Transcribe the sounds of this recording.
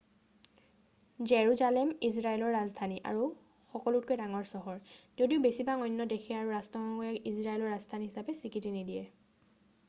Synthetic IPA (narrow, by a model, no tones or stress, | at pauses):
zeɹuzalɛmisɹaɛlɔɹːazdʱaniʔa̰ɹu | xɔkɔlʊt̚kojdaŋɔɹsɔɦɔɹzodiʊbesibaŋɔjnːɔdekʰiaɹuɹastɔmaɡɔjɛkisɹaɛlɔɹɹazdʰʱaniɦisapɛsikitinidijɛ